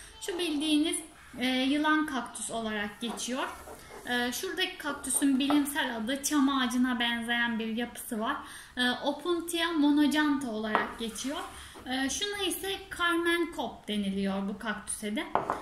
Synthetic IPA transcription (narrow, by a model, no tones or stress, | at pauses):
ʃubilʲd̪iːniz̥ː | jɯlˠankʰakt̪ʰy̥so̞lˠaɾak̚ɟe̞t͡ʃʰijoɾ̥ | ɯːʃuɾd̪acʰi̥kʰak̚t̪ʰysynbilʲimsælʲad̪ɯt͡ʃʰamaːd͡ʒɯnabænze̞jænbiɾjapʰɯ̥sɯvaɾ̥ | ɯːʔo̞pʰunt̪ʰijamo̞nod͡ʒant̪ʰao̞lˠaɾak̚ɟe̞t͡ʃʰijoɾ̥ | ɯːʃunaisɛkʰaɾmænkʰop̚d̪e̞nilʲijoɾbukʰakt̪ʰy̥sɛd̪ɛ